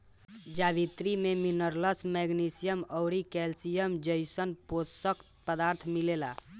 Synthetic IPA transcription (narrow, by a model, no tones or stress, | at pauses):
d͡ʒabit̪ɾimeminəɾləsmɛɡnisijəmɔwɾikɛlsijəmd͡ʒəjsənpotsək̪pəd̪aɾt̪ʰmilela